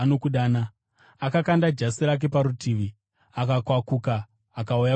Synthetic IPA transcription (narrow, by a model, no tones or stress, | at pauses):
nokuɗaːna | akakandad͡ʒasiɾak̬e̞paɾutiːʋi | akakwakukaː | kauja